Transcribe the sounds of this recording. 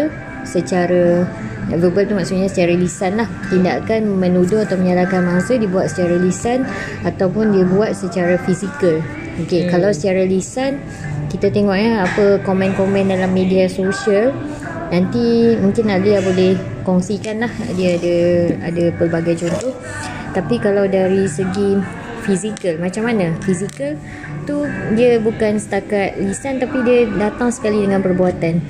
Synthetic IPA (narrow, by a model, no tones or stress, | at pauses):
sət͡ʃaɾaəvəbəlt̪umaʔsut̪̚ɲasət͡ʃaɾalisanlaht̪inda̰ʔkanmənudʊhat̪awməɲalakanmaŋsədiəbuat̪̚sə̥t͡ʃaɾalisan | at̪awpʊndiəbuat̪̚sət͡ʃaɾafisikəl | okekalawsə̥t͡ʃaɾalisan | kit̪at̪eŋɔʔ̚ɲaapəkomɛ̃nkɔmɛ̃ndalamːediasoʃiəl | nant̪imũŋkɪnalujabolɛh | kɔŋsikanlahdiaadaadapəlbaɡajd͡ʒont̪o | t̪apikalawdaɾisəɡi | fizikəlmãt͡ʃamanãfizikəl | t̪udiəbukansə̥t̪akat̪̚lisant̪apidiədat̪aŋsə̥kalidəŋãnpərbuat̪an